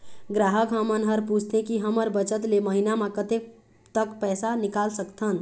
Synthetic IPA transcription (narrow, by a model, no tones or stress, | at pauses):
ɡɾaɦəkɦəmənɦəɾpud͡ʒʱt̪ẽkiɦəməɾbət͡ʃət̪leməɦinamekət̪e | t̪əkpɛːsanikalsəkt̪ʰən